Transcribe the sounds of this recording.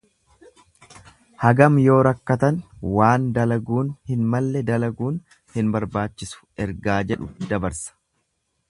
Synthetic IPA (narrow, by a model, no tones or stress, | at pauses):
hɐɡɐmjo̞ːɾɐkːɐt̪ɐnwaːnd̪ɐlɐɡuːnhɪnmɐlːɛd̪ɐlɐɡuːn | hɪnbɐɾbaːt͡ʃːɪsʊ̥ɛɾɡaːd͡ʒɛᶑʊd̪ɐbɐɾsɐ̥